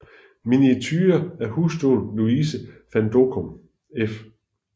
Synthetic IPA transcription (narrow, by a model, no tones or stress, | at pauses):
miniet͡sʰyːɐæɐhuːsd̥o̝̰ːlluiːsəfænd̥o̝kʰɔm | ef